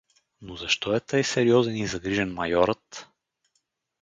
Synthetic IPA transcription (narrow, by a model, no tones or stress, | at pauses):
nozɐʃt̪ɔɛt̪əjsɛɾiɔzɛnizɐɡɾiʒɛnmɐjɔɾət̪